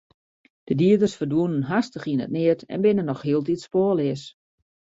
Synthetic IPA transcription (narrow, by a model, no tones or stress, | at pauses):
d̥ədiədərsfərdʋuənənɦastəχinə̰t̚nɪətɛ̰nbɪnənːɔxhiəlˠtitspoəlˠɪəs